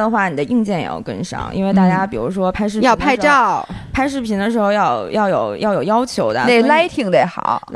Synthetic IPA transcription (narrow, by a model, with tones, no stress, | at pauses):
d̪ə˩xwa˥˩ni˨˩d̪ə˦ʔi˥˧ŋt͡ɕjɛ˥˩njɛ̰˨˩˨kə̰˥nʂɑ̰˥ŋʔḭ˥nwe˥˧ɪt̪a˥˩t͡ɕja˥pi˨˩ɻu˧˥ʂwɔ˥pʰa˥ɪʂ̬ɻ̩˥˩jɑ˥˧ʊ˥pʰa˥ɪ˧ʈ͡ʂɑ˥˩ʊpʰa˥ɪʂ̬ɻ̩˥˩pʰi˧˥nd̪ə˧ʂ̬ɻ̩˧˥xo˧ʊjɑ˥˧ʊjɑ˥˩ʊjo˨˩ʊjʔɑ˥˩ʊjo˨˩ʊjɑ˥ʊt͡ɕʰjo˧˥ʊd̪ə̰˧ne˥˩la˥ɪt̪ʰi˨˩ŋt̪e˧˩ɪxɑ̰˨˩˦ʊ˥